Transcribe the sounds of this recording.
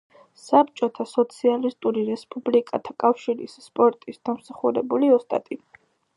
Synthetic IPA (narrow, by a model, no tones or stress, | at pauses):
sap̚t͡ʃʼɔt̪ʰasɔt̪sʰialist̪ʼuɾiɾɛspʼublikʼat̪ʰakʼafʃiɾḭsːpʼɔɾt̪ʼisd̪̥amsaχuɾɛbuliɔst̪ʼa̰t̪ʼi